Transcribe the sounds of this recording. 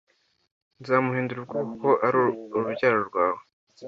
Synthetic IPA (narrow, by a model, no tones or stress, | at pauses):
nzaːmuhiːnduɾub̚ɡukuko̞ʔaɾuɾubɟaːɾoɾɡwaːwe